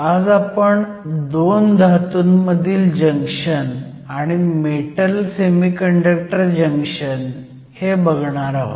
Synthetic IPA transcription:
ad͡zapəɳ | d̪ond̪ʱat̪uːnməd̪ʱiːld͡ʑəŋkʂən | aɽ̃imeʈəlsemikəɳɖək̚ʈəɾd͡ʑəŋkʂən | hebəɡɳ̃aɾaɦo̰t̪

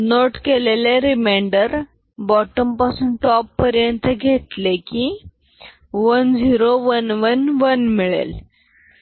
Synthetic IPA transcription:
noʈkeleleɾimeɳɖəɾ | bɔʈəmpasuːnʈɔpːəɾjənt̪əɡʱet̪lekiː | ʋənd͡ziɾoʋənʋənʋənmiɭḛl

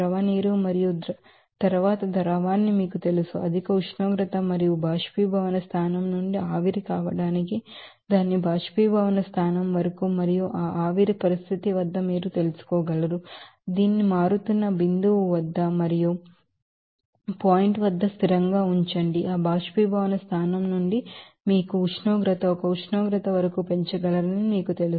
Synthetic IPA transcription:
ɾɐʋɐniːɾumɐɾijud̪ɐ | t̪ɐɾʋaːt̪ɐd̪ɐɾɐʋaːnːimiːkut̪e̞lusuʔɐd̪ʱikɐuʂnoːɡɾɐt̪ɐmɐɾijubʱaːʂpiːbʱɐʋɐnɐst̪ʰaːnɐmnuɳɖiaːʋiɾikaːʋɐɽaːniki | d̪aːnːibʱaːʂpiːbʱɐʋɐnɐst̪ʰaːnɐmʋɐɾɐkumɐɾijuʔaːʔaːʋiɾipɐɾist̪ʰit̪iʋɐd̪ːɐmiːɾut̪e̞lusu̥kɔːɡɐlɐɾud̪iːnːimaːɾut̪unːɐbind̪uʋuʋɐd̪ːɐmɐɾiju | paːjiɳʈʋɐd̪ːɐst̪ʰiɾɐŋɡaːuɲt͡ʃɐɳɖiʔaːbʱaːʂpiːbʱaːʋɐnɐst̪ʰaːnɐmnuɳɖi | miːkuːt͡ʃʰnoːɡɾɐt̪ɐɔkɐut͡ʃʰnoːɡɾɐt̪ɐʋɐɾɐkupe̞ɲt͡ʃɐɡɐlɐɾɐnimiːkut̪elu

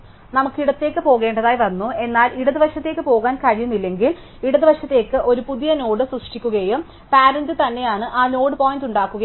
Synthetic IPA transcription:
nɐmukːiɽɐt̪ːe̞ːkːɨpo̞ːɣe̞ːɳɖɐðaːjʋɐnːue̞nːaːlʔiɽɐðɨʋɐʂɐt̪ːe̞ːkːɨpo̞ːɣaːnkɐɻijunːilːe̞ŋɡil | iɽɐðɨʋɐʂɐt̪ːe̞ːkːɨʔo̞ɾupuðijɐno̞ːɽɨsruʂʈikʲːuɣɐjum | paːɾɐndɨt̪ɐnːe̞jaːɳɨʔaːno̞ːɽɨpoːjinduɳɖaːkːuɣɐ

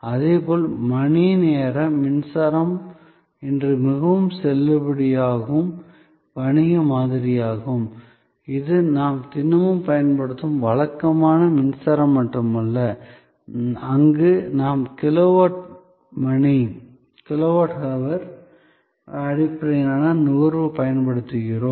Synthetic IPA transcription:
ɐðeːpoːlmɐɳineːɾɐːɪnsɐɾɐm | ɛndrɯmɪɣɐʋɯmsɛlːɯpɐɽɪjaːɣɯm | ʋɐɳɪjɐmaːðɪɾɪjaːɣɯm | ɪðɯnaːmt̪ɪnːɐmɯmpɐjɐnpɐɽɯt̪ːɯmʋɐɭɐkːɐmaːnɐmɪnsɐɾɐmːɐʈːɯmɐlːɐ | ɐŋɡɯnaːmkɪloʋaːʈ̚ | mɐɳi | kɪloʋaːʈɣɐʋɐɾ | ɐɽɪpːɾɐjnaːnɐnʊɣɐɾʋɯpɐjɐnpɐɽɯt̪ːɯɣɪroːm

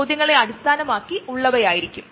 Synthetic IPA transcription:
d̪jɐŋːɐɭe̞ɐɽist̪ʰaːnɐmaːkːiuɭːɐʋɐjaːjiɾikʲːum

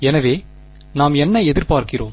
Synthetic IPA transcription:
ɛnɐʋeː | naːmɛnːɐɛðɪɾpaːɾkɪroːm

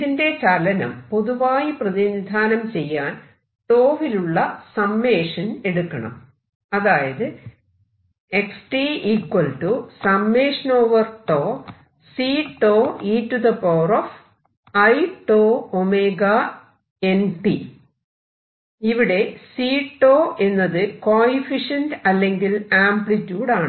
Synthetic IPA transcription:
iðinde̞t͡ɕalɐnɐ̰mpo̞ðuʋaːjiprɐðinid̪ʱaːnɐmt͡ɕe̞jːaːn | ʈoːʋiluɭːɐsɐmːe̞ːʂɐne̞ɽukːɐɳɐ̰m | ɐðaːjɐðɨ | eksʈiiːkwɐlʈusɐmːeːʂɐno̞ːʋɐrʈoː | siːʈːoːiːtːuðɐpɐwrof | ɐjʈːoːomeːɡɐ | e̞npi | iʋiɽe̞siːʈːoːe̞nːɐðɨkoːifiʂɐndɐlːe̞ŋɡilaːmplitːjuːɽaːɳ

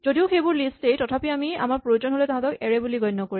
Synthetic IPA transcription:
zodiʊxejbʊɹlistejtɔtʰapiamia̰maɹpɹojozɔnɦolɛtaɦãtɔkɛɹɛbuliɡɔjnːɔkoɹi

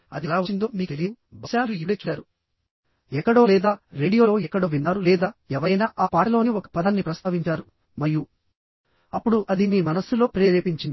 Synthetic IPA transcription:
ɐ̰d̪ilaːʋɐind̪o̞ːmiːkt̪eliu | bɐsaːluiet͡ʃːuaːɾu | ɛkːɐɽo̞ːlɛːd̪aːɾe̞ːɽijo̞ːɛkːɐɽo̞ːʋinːaːɾulɛːd̪aːɛʋɐɾɐjnaːʔaːpaːʈilo̞ːniɔkɐ̥pɐd̪ɐnːipɾɐst̪ʰaːʋiɲt͡ʃaːɾu | mɐɾju | ɐpːuɽuʔɐd̪imiːmɐnɐsːulo̞ːpɾeːɾeːpiɲt͡ʃind̪i

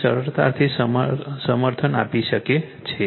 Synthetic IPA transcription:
səɾəɾt̪a̰ɾt̪ʰissəməɾt̪ʰənapiʃəke | t͡ʃʰe

